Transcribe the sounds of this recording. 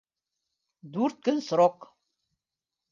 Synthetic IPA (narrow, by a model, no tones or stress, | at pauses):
d̪uɾt̪̚kənsɾok